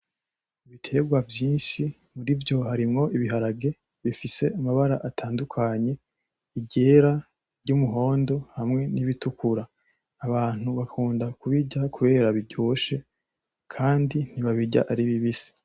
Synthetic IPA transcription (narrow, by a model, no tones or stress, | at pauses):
iβitʰe̞ːɡwavjiːnʃi | muɾivjo̞haɾimŋo̞ʔiβiɦaɾaɡe̞ | βifise̞ʔamaβaɾa̰ʔatʰaːndukʰaɲe̞ | iɟe̞ːɾa | ɾɟumuɦo̞ːndo̞hamŋe̞niβitukʰuɾaː | βaːn̥huβakʰuːndakuβiɟakʰuβe̞ːɾaβiɟoːʃe̞ | kʰaːndin̥iβaβiɟa̰ʔaɾiβiβise̥